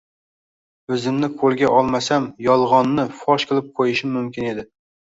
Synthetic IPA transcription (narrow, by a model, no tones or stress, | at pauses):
øzɪmnɪqʰolˠɡʲɛʔɑlˠmɛsæmjɒlˠʁɑnːɪfɑʃkʲʰɪlˠɪp̚qʰojɪʃɪmːymkʲʰɪned̪ɪ